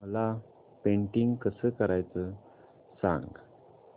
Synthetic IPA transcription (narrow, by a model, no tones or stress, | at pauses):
məla | peɳʈiŋɡkəsəkəɾajt͡sə | sã̰ŋɡ